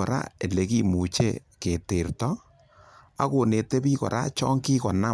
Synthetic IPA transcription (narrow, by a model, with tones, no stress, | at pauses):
ɔ˨ɾa̰˦e˨le˨ki˦mu˨t͡ʃḛ˦ | ke˨te˨rtɔ˦ | a̰˦ko˨ne˨te˦pi˦kɔ̰˨ɾʔa̰˦t͡ʃɔ˦ŋki˦kɔ˨na˦